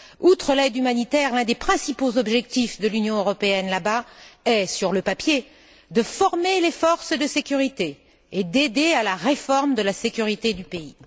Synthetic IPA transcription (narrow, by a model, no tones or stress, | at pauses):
ut̪χəlɛd̪ymanit̪ɛʁlɛ̃d̪epχɛ̃sipozɔbʒɛk̚t̪ifd̪əlynjɔ̃øʁɔpeɛnlabaɛsyʁləpapje | d̪əfɔʁmelefɔʁsd̪əsekʲyʁit̪eː | d̪ed̪ealaʁefɔʁmd̪əlasekʲyʁit̪ed̪ypei